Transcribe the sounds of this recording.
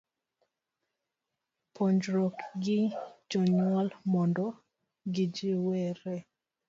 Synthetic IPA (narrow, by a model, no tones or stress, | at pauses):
pʰoɲd͡ʒɾokɡɪd͡ʒɔɲɔlmɔndɔ | ɡid͡ʒiwɛɾɛ